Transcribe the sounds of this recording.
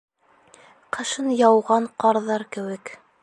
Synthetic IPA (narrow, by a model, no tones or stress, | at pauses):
qɤ̆ʃɤnjɑwʁɑɴqɑɾðɑɾkɘ̆wɘk